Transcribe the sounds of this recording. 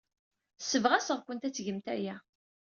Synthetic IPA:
səvʁæsəʁkʷənt̪æt͡sːʝəmt̪æ̰jæ

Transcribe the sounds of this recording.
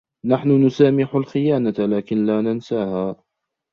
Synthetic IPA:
naħnʊnʊsaːmɪħʊlxɪjaːnalaːkɪnlaːnansaːhaː

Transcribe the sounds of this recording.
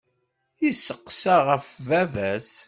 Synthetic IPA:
jisəqːsaʁəfvævæs

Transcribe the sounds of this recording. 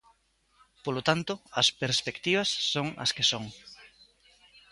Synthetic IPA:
polot̪ant̪ʊɐspeɾspekt̪iβɐsːoŋɐ̰skesoŋ

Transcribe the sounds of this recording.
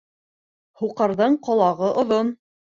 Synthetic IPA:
huqɤ̆ɾðɤɴqŏlˠɑʁɤʔŏðon

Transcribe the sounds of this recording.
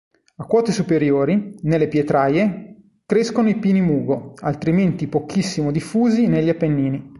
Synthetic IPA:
akːwɔːt̪esupeɾjoːɾinelːepjet̪ɾaːje | kɾeskonoipiːnimuːɡoa̰lt̪ɾiment̪ipokʰisːimod̪ifːuːzineʎːapːenːiːni

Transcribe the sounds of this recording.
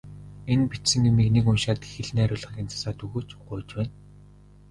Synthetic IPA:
enpit̪sɘ̆ŋimikniːkʊnʃaːt̪xeɮnæːɾʲʊːɮʁə̆ɣʲiːnt͡sḁsaːt̪ɵɣoːt͡ɕɢʊjt͡ɕpæːn

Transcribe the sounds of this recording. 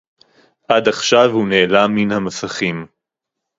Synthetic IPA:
ʔadaχʃavhuneːlaminhamasaχim

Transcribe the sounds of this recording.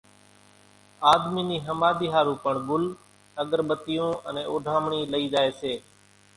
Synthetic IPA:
aːd̪miːniːɦəmaːd̪iːɦaːɾũːpəɳɡʊl | əɠəɾɓət̪ɪjõːʔənẽːʔʊːɖʱaːmɳiːləiːd͡ʒaːeːseː

